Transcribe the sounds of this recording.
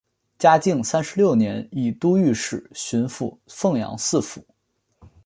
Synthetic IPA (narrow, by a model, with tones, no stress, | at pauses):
t͡ɕja˥t͡ɕi˥˩ŋsa˥nʂɻ̩˧ljo˥˩ʊnjɛ˧˥ni˨˩t̪u˥y˥˧ʂɻ̩˨˩ɕy˧˥nfu˥˩fɤ˥˩ŋjɑ̰˧˥ŋsɹ̩˥˩fṵ˨˧˩